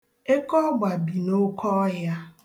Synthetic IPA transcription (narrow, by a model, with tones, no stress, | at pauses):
e˦kɔ˦ɡ͡ba˨bi˨no˦kʰɔ˦ja˦